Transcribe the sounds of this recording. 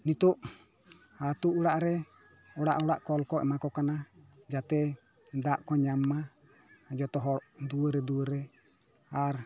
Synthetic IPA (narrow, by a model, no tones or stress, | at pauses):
nit̪uʔ | at̪uʔuɽaʔɾɛ | ɔɽa̰ʔɔɽaʔkɔlkɔɛ̰makɔkana | d͡ʒat̪ɛ | d̪aʔkɔɲamːa | d͡ʒɔt̪ɔɦɔɾʔd̪uəɾɛd̪uwəɾɛ | aɾ